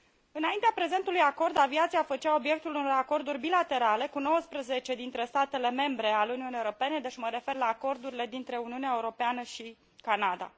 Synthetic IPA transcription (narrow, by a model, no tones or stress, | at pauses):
ɨnaint̪eapɾe̞ze̞nt̪ulujako̞rd̪aviat̪siafət͡ʃao̞bje̞k̚t̪uluno̞ɾako̞rd̪urʲbilat̪e̞ɾale̞kuno̞wəspɾəze̞t͡ʃe̞d̪int̪ɾe̞st̪at̪e̞le̞me̞mbɾe̞aluniunijeoɾope̞ne̞d̪et͡ʃməɾe̞fe̞rlaːko̞rd̪uɾile̞d̪int̪ɾe̞uniuneaeuɾo̞peanəʃi | kanad̪a̰